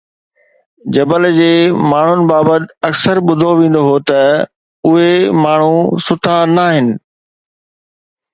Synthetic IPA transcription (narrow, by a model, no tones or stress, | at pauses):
d͡ʑɐbəld͡ʑeːmaːɳ̤ʊnɪ̆baːbət̪ɐksəɾɓʊd̪ʱoʋẽːn̆d̪oɦoːt̪ɐ | ʊɦemaːɳ̤usʊʈʰanaɦɪnɪ̆